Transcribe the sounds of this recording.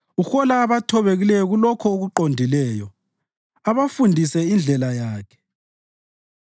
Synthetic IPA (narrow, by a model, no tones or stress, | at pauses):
uxɔlaːβatʰɔβeɣilɛjɔɣulɔkʰɔoɣuǃondʱilɛːjɔ | aβafundʱisɛind͡ɮʱɛlajaːkʰɛ̥